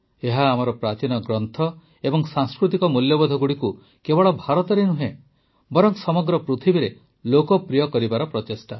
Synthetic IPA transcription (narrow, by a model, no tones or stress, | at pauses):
eɦaːmɔɾɔpɾat͡ʃinɔɡɾɔnt̪ʰɔ | ebɔŋsaŋskɾut̪ikɔmuljɔbɔd̪ʱɔɡuɽiku | kebɔɭɔbʱaɾɔt̪ɔɾenuɦẽ | bɔɾɔŋsɔmɔɡɾɔpɾut̪ʰibiɾe | lokɔpɾijɔkɔɾibaɾɔpɾɔt̪esʈa